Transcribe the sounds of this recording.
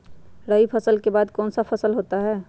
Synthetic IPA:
ɾəipʰəsəlkebaːd̪kɔːnsapʰɐsəlɦoːt̪aɦɛː

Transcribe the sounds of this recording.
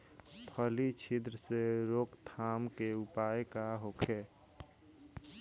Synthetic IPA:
pʰəlit͡ʃʰid̪ɾəseɾokt̪ʰaːmkeupajkaɦokʰe

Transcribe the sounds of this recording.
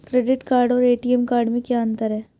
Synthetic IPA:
kɾeːɖɪʈkaːɾɖɔːɾeːʈiɛmkaːɾɖmẽkjaːə̃nt̪əɾɦɛː

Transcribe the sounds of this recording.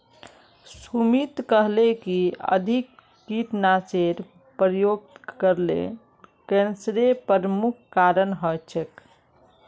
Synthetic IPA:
sumit̪kəɦlekiə̰d̪ʱikː | it̪naseɾ | pɾəjoɡ̚t̪kəɾlḛ | kensɾepəɾəmukʰkaɾənɦɔt͡ʃʰək

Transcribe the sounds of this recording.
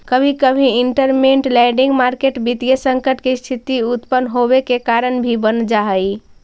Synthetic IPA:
kəbʱikəbʱĩiɳʈəɾmeɳʈlɛɖiŋɡmaɾkeʈbit̪ijəsə̃ŋkəʈkest̪ʰit̪iut̪pənɦobekekaɾənbʱibənd͡ʒaɦəj

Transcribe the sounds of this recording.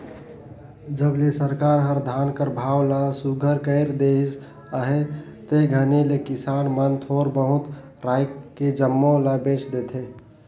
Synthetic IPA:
d͡ʒəblesəɾkaɾɦəɾd̪ʱaːnkəɾbʱaːwlasuɡʱəɾkəɪɾd̪es | əɦe | t̪eɡʱənelekɪsaːnmənt̪ʰoːɾbəɦʊt̪ | ɾaːjked͡ʒəmːõlabet͡ʃd̪eːt̪ʰe

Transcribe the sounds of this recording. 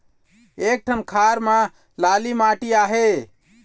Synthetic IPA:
ek̚ʈʰənkʰaɾme | lalimaʈiaɦe

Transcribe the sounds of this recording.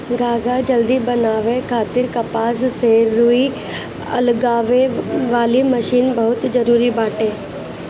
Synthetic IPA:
ɡaːɡad͡ʒəld̪ibɐnaːʋekʰaːt̪ɪɾkɐpaːzseːɾːui | ɐ̰lɡaːʋeʋaːliməʃiːnbɐɦʊt̪d͡ʒəɾuːɾibaːʈeː

